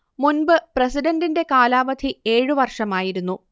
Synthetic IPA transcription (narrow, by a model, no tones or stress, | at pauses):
munbɨprɐsiɖɐndinde̞kaːlaːʋɐd̪ʱie̞ːɻɨʋɐrʂɐmaːjiɾun̪ːu